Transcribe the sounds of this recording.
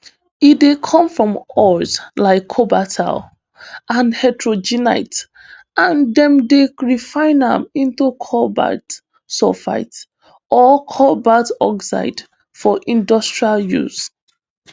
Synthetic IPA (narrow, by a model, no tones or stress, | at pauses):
idekʰɔ̃mfɹɔ̃mɔzlaɪkʰːobatʰa̰l | ʔãnhatɹod͡ʒina̰ɪt | ãndɛ̃mdeɹifãɪnã̰mĩntukʰɔba̰t | sɔfa̰ɪt | ɔkʰɔbatɔksa̰ɪd | fɔʔĩndɔstɹialjṵz